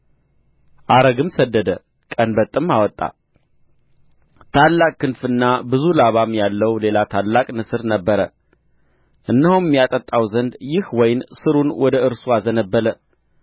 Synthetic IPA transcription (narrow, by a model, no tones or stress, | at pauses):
ʔaɾəɡɨmsəd̪ːəd̪ə | kʼənbət̪ʼːɨmawɔt̪ʼːa̰ | t̪ʰalːakʼkːɨnfɨnːabɨzulaβamjalːəwle̞lat̪ʰalːakʼnɨsɨɾnəbːəɾə | ʔɨnːɨhummjat̪ʼət̪ʼːawzənd̪jɪhwɔjɪnsɨɾunwɔd̪əɨɾsuazənəbːələ